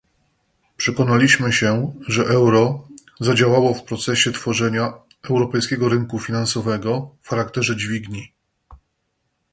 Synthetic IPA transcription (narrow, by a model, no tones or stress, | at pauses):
pʂɛkɔnalʲiɕmɘɕɛʐɛʔɛwɾɔ | zad͡ʑawawɔfpɾɔt̪sɛɕɛt̪fɔʐɛɲa | ɛwɾɔpɛjskʲɛɡɔɾɘŋkufʲinansɔvɛɡɔfxaɾakt̪ɛʐɛd͡ʑvʲiɡɲi